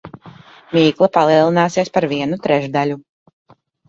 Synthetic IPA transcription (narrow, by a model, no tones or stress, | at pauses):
mʲiːklˠapalˠiɛlˠinaːsieɛspaɾviɛnut̪ɾɛʒd̪alʲu